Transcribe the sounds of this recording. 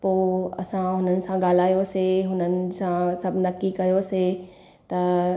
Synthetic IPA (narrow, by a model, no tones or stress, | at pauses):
poːɐ̰sãɦʊnənɪ̆sãɡaːl̤aːjoseɦʊnənɪ̆sãsɐbʱnɐkikɐjose | t̪ɐ